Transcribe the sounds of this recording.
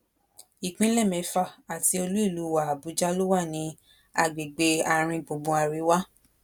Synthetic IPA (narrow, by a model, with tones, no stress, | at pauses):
i˨k͡pĩ˦lɛ˦˨mɛ̃˨˧fa˦˨a˨ti˧o˧lu˦i˦˨lu˨˦wa˨a˨bu˨˦d͡ʒa˦lo˦wa˦˨nĩ˧˦ | a˧ɡ͡be˨ɡ͡be˧a˧ɾ̃ĩ˧bo˨˦bũ˧˦a˧ɾi˨˧˦wa˦